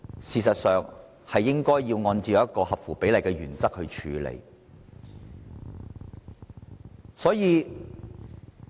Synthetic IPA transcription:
siː˨˧sɐ˨t̚sœː˨ŋ | hɐ˨jːɪ˥ŋkɔː˥jːiː˧wŋɔː˧nt͡siː˨˧jɐ˨˦ɐ˥t̚kɔː˧hɐ˨p̚fuː˨˩pe˨˥jlɐ˨jkɛː˧ɥyː˨˩nt͡sɐ˥k̚hɵ˧ɥt͡ʃʰyː˨˧lḛ˨˩j | sɔː˨˥jiː˨˧

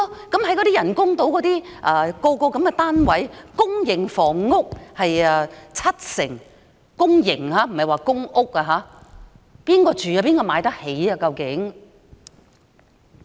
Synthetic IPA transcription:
kɐ˨˥mhɐ˨˥jkɔ˨˧ɾiː˥jɐ˨˩nkʊ˥ŋt̪o˨˥wkɔː˨˥t̪iː˥ʔɐː˨˧kɔː˧kɔː˧kɐ˨˦˥mkɛ˧t̪aː˥nwɐ˨˥jkʊ˥ŋjɪ˨˩ŋfɔː˨˩ŋːʊ˥k̚hɐ˨jɛː˧t͡sʰɐ˥t̚sɪ˨˩ŋ | kʊ˥ŋjɪ˨˩ŋhaː˨˥m̩˨˩hɐ˨jwaː˨kʊ˥ŋʔʊ˥k̚aː˧ɦaː˨˥ | piː˥nkɔː˧t͡ʃyː˨jaː˧p̬iː˥nkɔː˧maː˨˧˥jt̪ɐ˥k̚he˨˥jɐ˧kɐ˧wkɪ˨˥ŋ

